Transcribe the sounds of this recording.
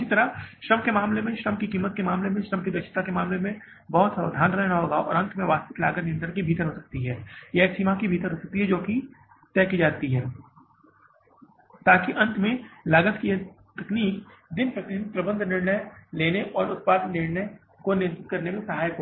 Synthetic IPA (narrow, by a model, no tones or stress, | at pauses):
sit̪ɐɾaʃɾɐmkemaːmlemẽʃɾəmkikiːmət̪̚kemaːmlemẽʃɾəmkid̪ɐt͡ʃʰɪ̥t̪akemaːmlemẽ | bɔɦʊt̪saːʋd̪ʱaːnɾɛɦnaɦoːɡaɔ̰ːɾɐ̃nt̪ʰmẽʋaːst̪ɪk̪la̰ːɡət̪nɪijə̃nd̪əɾkibʱiːt̪əɾɦoːsɐk̚t̪iɦɛːjɛːsiːmakibʱiːt̪əɾɦoːsɐk̚t̪iɦɛd͡ʒoːki | t̪ɛːkid͡ʒaːt̪iɦɛː | t̪aːkiʔɐ̃nt̪ʰmẽlaːɡət̪kie | t̪ɐkniːkd̪ɪnpək̚ʈɪd͡ʒpɾɐbə̃nd̪ʱnɪɾnəjleːneʔɔːɾʊt̪̚paːd̪nɪɽne | konɪjə̃nt̪ɪt̪kɐɾnemẽsɐɦaːjɦo